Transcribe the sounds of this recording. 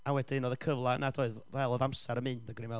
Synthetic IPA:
awɛdinɔðəkʰəvlˠanadoɨðvɛlˠɔðamsɛɾəmɨndaɡwnimɛ

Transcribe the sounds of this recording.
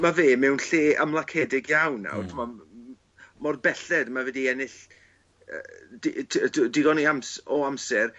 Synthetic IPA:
maveːmɛwnɬeːə̰mlˠakʰɛːdɪɡjawnːa̰tʰəmɔ | mɔrbɛɬɛdmavɛdiɛnɪɬ | ə̰dʰdɪɡɔniamsɔamsɛr

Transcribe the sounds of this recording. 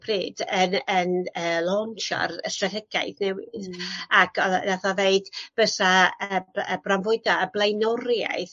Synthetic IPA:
pʰriːdənənəːlˠɔnt͡ʃa̰rstratʰɛɡ̥a̰ɨðnɛwɪ̰ðakʰɔ̰naθaveɨd̥b̥əθaəbəbranvʊɨdaəblˠejnɔrja̰ɨð

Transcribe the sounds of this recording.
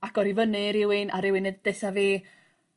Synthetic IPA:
aɡ̥ɔɾivənɨɾɪwɪnʔaɾɪwɪnɨdd̥eθaviː

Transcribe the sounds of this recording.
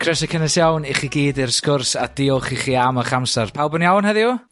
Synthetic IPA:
kʰrɛsakʰənɛsjawniχiɡiːdɪrskʊrsad̥iɔχiχiːaməχamsarpʰawlˠbɔnjawnhɛðɪu

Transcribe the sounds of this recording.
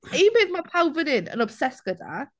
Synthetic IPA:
ibeːðmapʰawvɪnɪnə̰nɔb̥sɛsɡ̥əda̰

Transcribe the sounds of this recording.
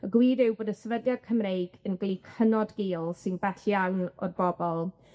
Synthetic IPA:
əɡwiːdɪwboːdəsɛvədjad̥̚kʰəmrejɡ̥ənɡlˠikʰənɔdɡiːlˠsɪnbɛɬjaŋnɔ̰dbɔbɔlˠ

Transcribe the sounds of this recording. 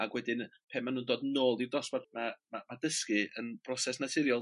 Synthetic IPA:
aɡwɛdɪnpʰeːmːanuːndoːdnoːlˠdirdɔsbɔdmamamadəskɨənb̥ʰrɔsɛsnatʰɪɾjɔlˠ

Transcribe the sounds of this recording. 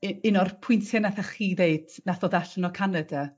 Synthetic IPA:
ɪnɔrpʰʊɨntʰjɛnaθaχiːðeɨd̥naθɔðaɬnɔkʰanada

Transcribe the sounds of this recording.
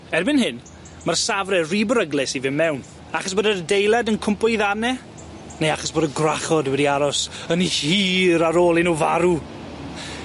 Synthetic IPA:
ɛrbɪnɦɪn | marsavrɛriːbəɾəɡlˠɪsivɪmːɛwn | aχɔsboːdərdejlˠɛdənkʰʊmpɔjðanɛ | neaχɔsboːdəɡraχɔdwɛdiaɾɔsənihiːɾaɾoːlˠinuːva̰ɾu

